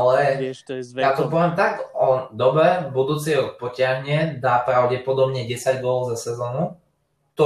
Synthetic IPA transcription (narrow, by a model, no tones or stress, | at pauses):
lɛ | jaːt̪ɔpɔʋɛmt̪aɡɔd̪ɔbɛbud̪uːt͡sɛjɔt̪̚pɔcɪaɦɲɪɛd̪aːpɾaʊɟɛpɔd̪ɔbɲɛɟɛsaɟɡʊɔlzasɛzɔːnu | t̪ɔ